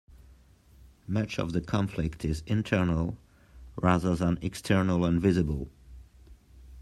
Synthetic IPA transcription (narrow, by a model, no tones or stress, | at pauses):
mʌt͡ʃʌ̰vðəkʰɑ̃ɱflɪktʰɪzɪ̃ntʰɜ˞nəlˠ | ɹaðə˞ðə̃nɛkstʰɜ˞nəlˠə̃nvɪzɨbəlˠ